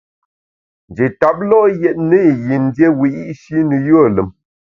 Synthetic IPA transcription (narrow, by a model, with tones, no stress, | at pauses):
n̩˨d͡ʒe˨ta˨p̚lɔ˦jɛ˦˨t̚nə˦˨ji˨n̩˦dje˦wi˨ʔi˦ʔʃi˦nə˨jo˦˨lə˨m